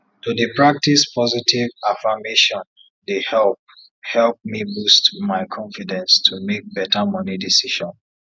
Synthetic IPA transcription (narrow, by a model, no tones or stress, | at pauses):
tudipɹak̚tispʰɔzitivafameʃɔ̃n | dehɛlp | hɛlp̚mibustmaɪkʰɔ̃ɱfidɛ̃nstʰumek̚bɛtamʌnidisiʃɔ̃n